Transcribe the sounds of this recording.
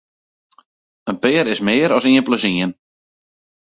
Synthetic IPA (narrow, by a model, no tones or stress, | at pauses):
ənpɪːɾɪsmɪːəɾɔsiənpləziən